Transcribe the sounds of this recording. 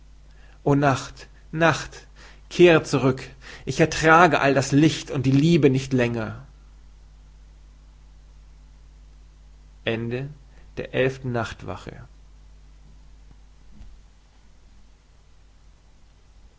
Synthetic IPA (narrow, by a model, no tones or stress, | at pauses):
ʔoːnaχt | naχt | kʰeːʁət͡suʁ̞ʏkʔɪçɛɐtʁ̥aːɡəʔaldaslɪçtʊnt̚d̥iːliːbənɪçtlɛŋɐ | ʔɛndəd̥eːɐʔɛlftn̩naχtv̥a̰χə̰